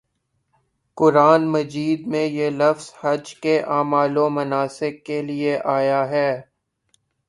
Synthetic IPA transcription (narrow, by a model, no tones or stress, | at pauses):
kʊɾaːnmɐd͡ʒiːd̪̚mẽjelɐfz̥hɐd͡ʒkeʔaːmaːlõmɐnaːsɪkːelieʔaːjaɦɛː